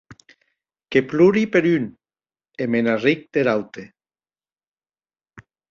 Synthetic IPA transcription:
kepluɾipeɾyn | emenarik̚d̪̥eɾawt̪e

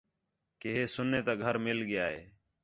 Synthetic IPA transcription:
keːɦeːsʊnːeːt̪aːɡʱəɾmɪlɡɪjaːɦḛː

